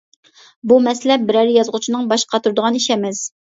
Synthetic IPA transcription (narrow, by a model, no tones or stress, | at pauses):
bumɛslɛp̚bɪɾɛɾɪjɑzʁʊt͡ʃʰinɨŋbɑʃqʰɑt̪ʰuɾd̪ʊʁɑniʃɛmɛz